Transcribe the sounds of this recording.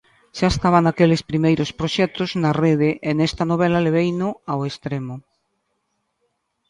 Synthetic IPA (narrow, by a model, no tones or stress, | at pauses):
ʃaest̪aβaŋakelespɾimejɾospɾoʃɛt̪ʊznareðeʔenɛst̪anoβɛlaleβ̞ejnʊawest̪ɾemʊ